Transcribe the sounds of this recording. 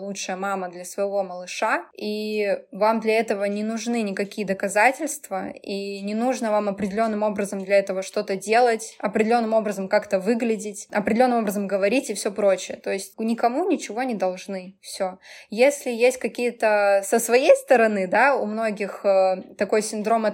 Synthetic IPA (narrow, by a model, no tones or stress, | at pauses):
lˠutʂɨjəmaməd̪lʲɐsvəjɪvo̞məlˠɨʂaivamd̪lʲɐɛt̪əvənʲɪnʊʐnɨnʲɪkɐkʲijəd̪əkɐzatʲɪlʲst̪vəinʲɪnuʐnəvamɐpɾʲɪdʲɪlʲo̞nːɨmo̞bɾəzəmd̪lʲɐɛt̪əvəʂt̪o̞t̪ədʲe̞lˠətʲɐpɾʲɪdʲɪlʲo̞nːɨmo̞bɾəzəmkakt̪əvɨɡlʲɪdʲɪtʲɐpɾʲdɪlʲonːɨmo̞bɾəzəmɡəvɐɾʲitʲɪfsʲopɾo̞t͡ɕɪjət̪o̞ɪsʲtʲnʲɪkɐmunʲɪt͡ɕɪvo̞nʲɪd̪ɐlˠʐnɨfsʲojesʲlʲɪjesʲt̚ʲkɐkʲijət̪əsəsvɐjejst̪əɾɐnɨd̪aumno̞ɡʲɪxət̪ɐko̞jsʲɪnd̪ɾo̞mə